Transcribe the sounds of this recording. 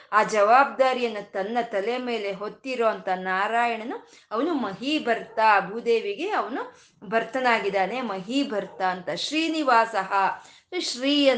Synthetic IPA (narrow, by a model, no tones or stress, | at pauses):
aːd͡ʒɐʋaːb̚d̪aːɾijɐnːɐt̪ɐnːɐt̪ɐleme̞ːle̞ɦot̪ːiɾoːɐnt̪ɐnaːɾaːjɐɳɐnu | ɐʋɐnumɐɦibɐɾt̪abʱud̪eːʋiɡe̞ɐʋɐnu | bɐɾt̪ɐnaːɡid̪aːne̞mɐɦibʱɐɾt̪aɐnt̪ɐʃɾiːniʋaːsɐɦɐ | ʃɾiːjɐ